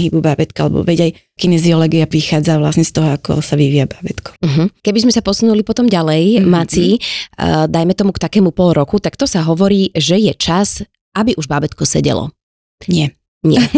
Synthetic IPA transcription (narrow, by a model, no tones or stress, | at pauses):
ɦiːbubabɛt̪̚kaa̰lɛ̰bɔ̰ʋɛɟaj | kinɛziɔlɛɡiapɾixaːd͡zaʋlasɲɛst̪ɔɦɔakɔ̰saʋiʋiːabaːbɛt̪kʰɔ̥ɦ̩kɛbizmɛsapɔsunulipɔt̪ɔmɟalɛjmat͡si | d̪ajmɛt̪ɔmukt̪akɛːmupɔlɾɔkut̪akt̪ɔsaɦɔʋɔɾiːʒɛjɛt͡ʃaz̥ | abiʔuʒbabɛt̪kɔsɛɟɛ̰lɔ̰ | ɲɪɛ | ɲɪɛ